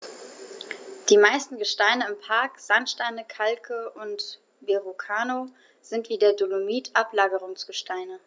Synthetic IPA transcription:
d̥iːmaɪstn̩ɡəʃtaɪnəɪmpʰaɐkz̥antʃtaɪnəkʰalkʰəʊnt | veʁokʰaːno | z̥ɪntv̥iːdeːɐdolomiːtʰʔaplaːɡəʁʊŋsɡ̥əʃtʰaɪnə

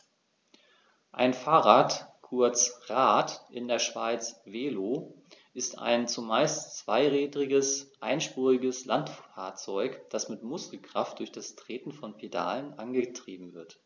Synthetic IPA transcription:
ʔa̰ɪnfaːʁaːtkʰʊɐt͡sʁaːtʔɪndeːɐʃv̥aɪt͡sv̥eːloː | ʔɪsta̰ɪnt͡sumaɪstt͡sv̥aɪʁɛːdʁɪɡəsʔaɪnʃpuːʁɪɡəslantfaːɐt͡sɔʏkd̥asmɪtmʊskl̩kʁ̥aft̚d̥ʊɐçd̥astʁ̥eːtn̩fɔnpʰeda̰ːlənʔanɡətʁ̥iːbm̩vɪɐt

